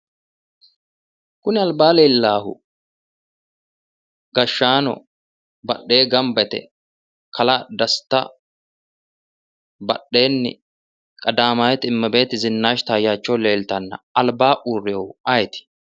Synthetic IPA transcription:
kʊnɪɐlbaːleːlːaːhʊ̰ | ɡ̥ɐʃːaːnɔ̰ | bɐɗːe̞ːɡɐmbɛt̪ɛ̰ | kɐlɐd̪ɐst̪ːɐ̰ | bɐɗːe̞ːnːɪ̰ | kʼɐd̪aːmaːjɛt̪ɪmːɐbe̞ːt̪ɪzɪnːaːʃt̪aːjːaːt͡ʃːɔle̞ːlt̪ɐnːɐ̰ɐlbaːʔuːrːeʊɐjt̪ɪ̥

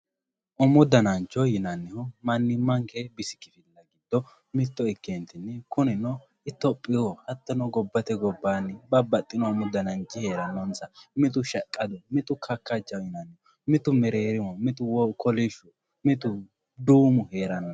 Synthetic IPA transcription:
ʔʊmʊd̪ɐnɐnt͡ʃɔjɪnɐnːɪhɔmɐnːɪmːɐŋkɛbɪsɪ̥kɪfɪlːɐɡɪd̪ːɔ | mɪt̪ːɔɪkːent̪ɪnːɛkʊnɪnɔ | ɪt̪ːɔpʼːɪɔhɐt̪ːɔnɔɡɔbːɐt̪ɛɡɔbːaːnːɪbɐbɐt̪ʼːɪnɔʊmʊd̪ɐnɐnt͡ʃːɪhe̞ːɾɐnːɔnsɐmɪt̪ʊʃɐkʼːɐd̪ɔmɪt̪ʊkʰɐkːɐt͡ʃːɐjɪnɐnːɛhɔ | mɪt̪ʊmɛɾeːɾɪmɔmɪt̪ʊwɔkɔlɪʃʊ | mɪt̪ʊ | d̪uːmʊheːɾɐnːɔ

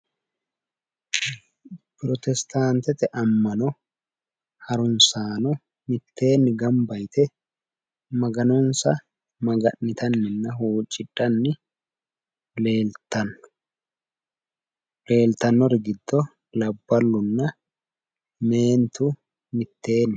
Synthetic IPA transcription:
pɾɔt̪ɛst̪aːnt̪ɛt̪ɛʔɐmːɐnɔ | hɐɾʊnsaːnɔ | mɪt̪ːe̞ːnːɪɡɐmbɐjt̪ʰɛ | mɐɡɐnɔnsɐ | mɐɡɐʔːɪt̪ɐnːɪnːɐɦuːt͡ʃʼːɪᶑʼɐnːɪ | eːt̪ɐnːʊ̥ | le̞ːlt̪ɐnːɔɾɡɪd̪ːɔ | lɐbːɐlːʊnːɐ | me̞ːnt̪ʊ | mɪt̪ːe̞ːnː

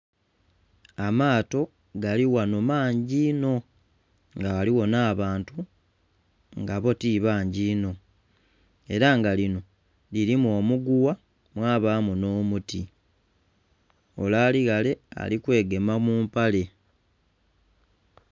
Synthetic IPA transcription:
amaːto̞ | ɡaliwanomaːɲɟiːno̞ | ŋɡaaliwo̞naːβaːntu | ŋɡaβo̞tiβaːɲɟiːno̞ | e̞ɾaŋɡalino̞ | liɾimuo̞ːmuɡuwa | mwaːβaːmuno̞ːmuti | o̞̰laːliɣale̞a̰likwe̞ːɡe̞mamuːmpale̞

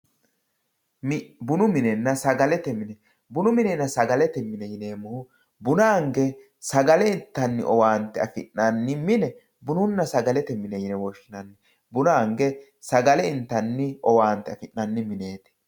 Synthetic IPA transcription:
bʊnʊmɪnɛnːɐsɐɡɐlɛt̪ɛmɪnɛ | bʊnʊmɪnɛnːɐsɐɡɐlɛt̪ɛmɪnɛjɪneːmʊhʊ | bʊnaːŋɡɛ | sɐɡɐlɛɪnt̪ːɐnːɪ̰ʔɔwaːnt̪ːɛɐfɪ̰ʔːɐnːɪmɪnɛ | bʊnʊnːɐsɐɡɐlɛt̪ɛmɪnɛjɪnɛwɔʃːɪnɐnːɛ | bʊnaːŋɡɛ | sɐɡɐlɛɪnt̪ːɐnːɪɔwaːnt̪ːɛɐfɪnːɐnːɪmɪne̞ːt̪ɛ̥

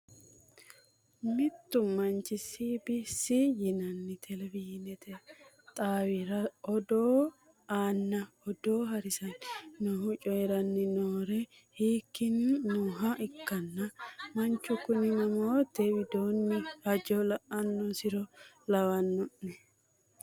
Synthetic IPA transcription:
mɪt̪ːʊmɐnt͡ʃːɪsibisijɪnɐnːɪt̪ʰɛlɛvɪjnɛt̪ɛ | t̪ʼaːwɪɾɐɔd̪oː | aːnːɐ | ɔd̪oːɦɐɾɪsɐnnʊɦʊt͡ʃʼɔjɛɾɐnːɪnoːɾɛ | hiːkːɪnːʊɦɐʔɪkːɐnːɐmɐnt͡ʃːʊkʊnɪnɐmoːt̪ɛwɪd̪oːnːɪhɐd͡ʒɔlɐʔɐnːɔsɪɾɔ | lɐwɐnːʊnːɛ

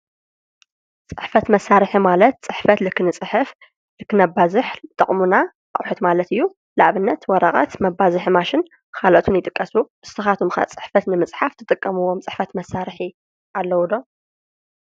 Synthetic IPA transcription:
t͡sʼɨħfɐt̪mɐsːaɾħimalɐt̪̚t͡sʼɨħfɐt̪lɨkːɨnɨt͡sʼɨħɨf | lɨkːɨnɐbazɨħɨt̪ʼɐχʼmuna | ʔaχʼħɨt̪malɐt̪ɨjːu | laʔβɨnːɐt̪wɔɾɐχʼɐ̰t̪mɐbːazɨħmaʃɪn | kʰalʔot̪ʰunjɪt̪ʼɨkʼːɐsuʔɨst̪ɨxat̪ʰumxa̰t͡sʼɨ̥ħfɐt̪nɨmɨt͡sʼħaft̪ʰɨt̪ʼɨkʼːɐmɨwːomt͡sʼɨħfɐt̪mɐsːaɾħi | ʔalːɐwud̪o

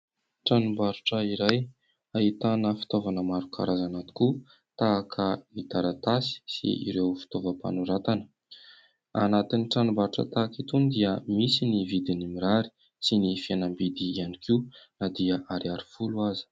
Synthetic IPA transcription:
ʈ͡ʂanumbaɾuʈ͡ʂəiɾaj | ait̪anəfi̥t̪ovanəmaɾukʰa̰ɾazanat̪i̥ku | t̪akʰəmit̪aɾat̪asi̥sḭḭɾewfi̥t̪ovəpa̰nuɾat̪anə̥ | a̰nat̪iniʈ͡ʂanumbaɾuʈ͡ʂə̰t̪akit̪und̪iəmisinivid̪inimiɾaɾi̥ | sinifianəmbid̪iːanikʰinad̪iəʔaɾiaɾi̥fuluazi̥

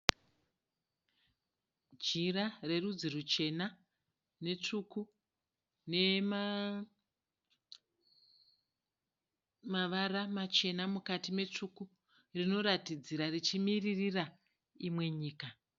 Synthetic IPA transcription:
d͡ʒirare̞rud͡zirut͡ʃe̞na | ne̞t͡ʂuku | ne̞ma | maʋaramat͡ʃe̞namukatime̞t͡ʂuku | rino̞ɾatid͡ziɾarit͡ʃimiririra | imwe̞ɲiːka

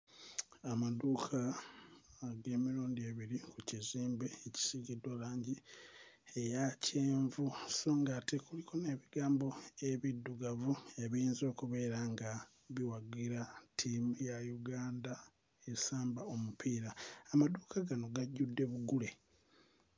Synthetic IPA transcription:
amaduːkʰaː | ɡe̞ːmiɾuːndie̞βiɾikuciziːmbe̞eci̥siɡidwolaːɲɟi | ejacʰeːɱvuso̞ːŋɡatekulikʰo̞ne̞ːβiɡaːmbo̞e̞βidːuɡavueβiːnzo̞ːkuβe̞ːɾaŋɡa | βiwaɡiɾatʰimujajuɡaːnda | esaːmbao̞mupʰiːɾaːmaduːkaɡano̞ɡaɟːudːe̞βuɡule̞

